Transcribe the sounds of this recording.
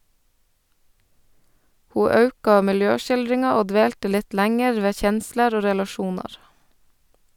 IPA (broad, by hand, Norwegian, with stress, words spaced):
ˈhuː ˈɑʉkɑ mɪlˈjøːʃɪlˌdɾɪŋɑ ˈoː ˈdʋeːltə ˈlɪt ˈlæŋɛɾ ˈʋeː ˈçɛnsləɾ ˈoː ɾɛlɑˈʃuːnɑɾ